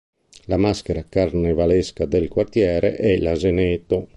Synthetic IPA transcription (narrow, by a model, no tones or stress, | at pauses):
lamaskeɾakarnevaleskad̪elkwart̪jɛːɾḛʔɛlazenet̪ːo